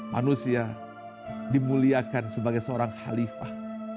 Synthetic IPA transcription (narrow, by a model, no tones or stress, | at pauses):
ma̰nusia | dimuliakansəbaɡajsəoɾaŋha̰lifah